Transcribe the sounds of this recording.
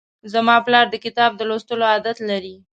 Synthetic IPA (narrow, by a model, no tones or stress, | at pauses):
zamɑplɑɾd̪əkɪt̪ɑb̚d̪əlost̪əloɑd̪at̪laɾi